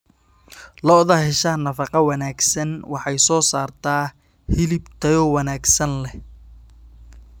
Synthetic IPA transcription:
lɔʊðɐhɪʃɐnɐfɑqɑwɑnaːɡsɐnwɑħɑjsɔːsaːrt̪ʰaː | hɪlɪbt̪ʰɐjɔwɑnaːɡsɐnlɛ

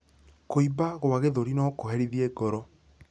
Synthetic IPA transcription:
koibaɣoaɣeðoɾinɔkoɦeɾiðieɡɔɾɔ

